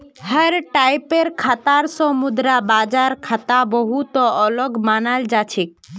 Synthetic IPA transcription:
həɾʈajpeɾkʰat̪aɾsɔmud̪ɾabad͡ʒaɾkʰət̪abɔɦut̪ɔɔlɔɡmanald͡ʒat͡ʃʰik̚

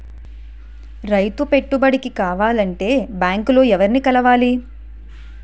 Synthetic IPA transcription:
ɾɐjt̪upe̞ʈːubɐɽikikaːʋaːlɐɳʈe̞ːbjaːŋklo̞ːɛʋɐɾinikɐlɐʋaːli

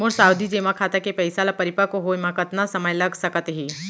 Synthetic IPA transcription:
mʊɾsaːwd̪id͡ʒeːmãkʰaːt̪akepɐɪsalapɐɾɪpakoɦojmãkət̪nasɐməjlɐɡsɐkət̪ɦiː

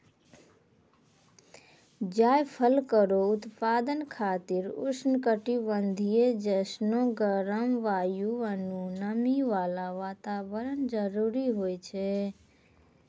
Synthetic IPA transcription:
d͡ʒaːjpʰəlkəɾoʊt̪paːd̪ənkʰaːt̪ɪɾʊ̰snkəʈiʋənd̪ʱijed͡ʒəsnoɡəɾəmʋaːjuʋənunəmiʋaːlaʋaːt̪aːʋəɾənd͡ʒəɾuːɾiɦoːjt͡ʃʰɛ

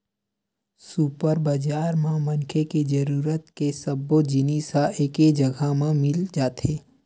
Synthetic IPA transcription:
supəɾbəd͡ʒaːɾmãmɐnkʰeked͡ʒəɾuːɾət̪kesəbːod͡ʒiniːsaʔeːked͡ʒɐɡʱamãmɪld͡ʒaːt̪eː

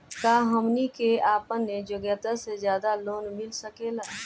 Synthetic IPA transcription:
kaːɦəmnikeaːpənːed͡ʒʊɡjət̪asezjaːd̪aloːnmɪlsəkelaː

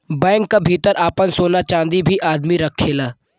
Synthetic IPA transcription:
bɛ̃ːŋkːabʱiːt̪əɾʔaːpənsoːnat͡ʃãːnd̪ibʱiʔaːd̪miɾɐkʰːeːlaː

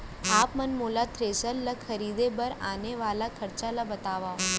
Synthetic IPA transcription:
aːpmɐnmoːlat̪ʰɾeːsəlːəkkʰəɾiːd̪ebəɾaːneʋaːlakʰəɾt͡ʃalabət̪aːʋa

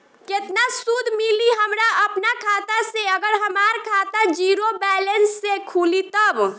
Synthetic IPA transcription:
ket̪nasud̪ʱmiliɦəmɾaəpnakʰaːt̪aseəɡəɾɦəmaɾkʰaːt̪ad͡ʒiɾobɛːlənsːekʰuːlit̪əb

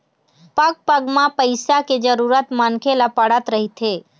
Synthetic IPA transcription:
pəɡ̚pəɡmãpəɪsaked͡ʒəɾuɾət̪mankʰelapəɽət̪ɾəɦit̪ʰe

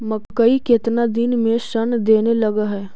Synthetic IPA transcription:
mɐkkəikɪt̪nad̪inmẽʃənd̪eːnelɐɡaɦɛː

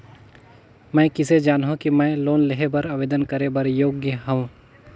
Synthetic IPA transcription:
mɛ̃ːkɪsed͡ʒaːnɦõkimɛ̃ːloːnlɪɦebɐɾɐbeːd̪ənkɐɾebɐɾjoːɡjəɦɐ̃ũ

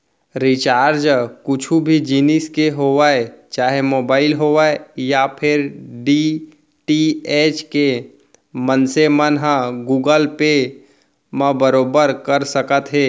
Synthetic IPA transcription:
ɾit͡ʃaːɾd͡ʒkʊt͡ʃʰubʱid͡ʒiːniskeɦoːʋaːet͡ʃaːɦemoːbaːɪlɦoʋaejapʰɪɾɖi | ʈieːt͡ʃke | mənsemənɦãɡuːɡəlpe | mə̃bəɾoːbəɾkəɾsəkət̪ɦɛː

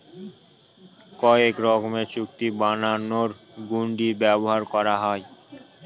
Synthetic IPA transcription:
kɔekɾɔɡomeɾt͡ɕuk̚t̪ibananoɾ | ɡuɳɖibɛboɦaɾkɔɾaɦɔe

